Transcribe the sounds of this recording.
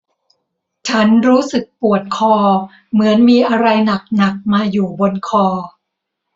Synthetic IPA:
t͡ɕʰa˦˥nɾuː˦˥sɯ˨˩k̚pu˨˩ət̪̚kʰɔː˧ | mɯ˩˦ənmiː˧ʔa˧ɾa˧jna˨˩k̚na˨˩k̚maː˧juː˨˩bo˧nkʰɔː˧

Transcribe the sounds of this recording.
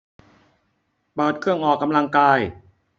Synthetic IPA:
pɤː˨˩t̪̚kʰɯ˥˩əŋʔɔː˨˩kːa˧mla˧ŋkaː˧j

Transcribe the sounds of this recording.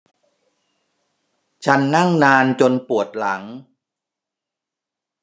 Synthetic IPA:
t͡ɕʰa˦˥nːa˥˩ŋnaː˧nt͡ɕo˧npu˨˩ət̪̚la˩˦ŋ

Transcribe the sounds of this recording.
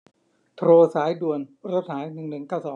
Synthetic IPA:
t̪ʰɾoː˧saː˩˦jdu˨˩ənɾo˦˥t̪̚haː˩˦jnɯ˨˩ŋnɯ˨˩ŋkaː˥˩wsɔː˩˦ŋ

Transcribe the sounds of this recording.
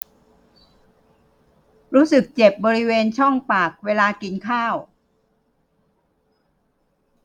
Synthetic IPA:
ɾuː˦˥sɯ˨˩k̚t͡ɕe˨˩p̚bɔː˧ɾi˦˥weː˧nt͡ɕʰɔ˥˩ŋpaː˨˩k̚weː˧laː˧ki˧nkʰaː˥˩w

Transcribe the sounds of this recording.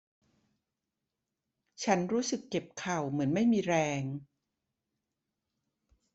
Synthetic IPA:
t͡ɕʰa˦˥nɾuː˦˥sɯ˨˩kːe˨˩p̚kʰa˨˩wmɯ˩˦ənma˥˩jmiː˧ɾɛː˧ŋ

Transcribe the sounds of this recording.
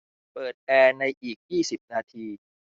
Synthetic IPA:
pɤː˨˩t̪̚ʔɛː˧na˧jʔiː˨˩k̚jiː˥˩si˨˩p̚naː˧t̪ʰiː˧

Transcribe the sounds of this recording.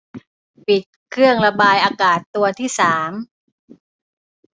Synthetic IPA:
pi˨˩t̪̚kʰɾɯ˥˩əŋɾa˧baː˧jʔaː˧kaː˨˩t̪ːu˧ɐt̪ʰiː˥˩saː˩˦m

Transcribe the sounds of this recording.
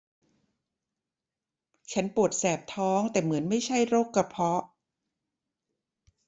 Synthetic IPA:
t͡ɕʰa˦˥npu˨˩ət̪̚sɛː˨˩p̚t̪ʰɔː˦˥ŋt̪ɛː˨˩mɯ˩˦ənma˥˩jt͡ɕʰa˥˩jɾoː˥˩kːa˧˩pʰɔ˦˥ʔ

